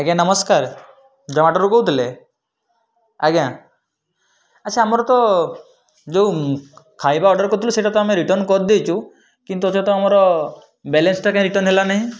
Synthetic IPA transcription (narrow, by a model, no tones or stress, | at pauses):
aɡjãnəmɔskaɾ | d͡ʒɔmaʈɔɾukɔut̪ʰile | aɡjã | at͡ʃʰaamɔɾɔt̪ɔ | d͡ʒewkʰajbaɔɖɔɾkɔɾt̪ʰiluseʈat̪ɔameɾiʈɔɾnkɔɾd̪ejt͡ʃʰu | kint̪̬uɔt͡ʃɔt̪ɔamɔɾɔ | bɛlensʈakãɾiʈɔɾnɦelanaɦĩ